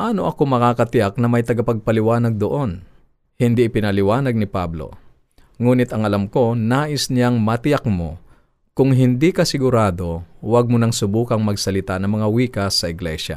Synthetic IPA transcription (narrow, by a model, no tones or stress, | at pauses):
ʔaːno̞ʔɐko̞mɐkakɐt̪ɪjak̚nɐmɐjt̪ɐɡɐpɐɡ̚pɐlɪwaːnɐɡ̚d̪oʔo̞n | hɪnd̪iʔɪpɪnɐlɪwaːnɐɡ̚nɪpablo̞̰ | ŋuːnɪt̪ɐŋʔɐlamko̞naːʔɪsnɪjaŋmɐt̪ɪjak̚mo̞̰ | kʊŋɦɪnd̪ikɐsɪɡʊɾaːd̪o̞wɐɡ̚mʊnɐŋsʊbuːkɐŋmɐɡsɐlɪt̪anɐŋmɐŋawiːkɐsːɐʔɪɡlɛʃa̰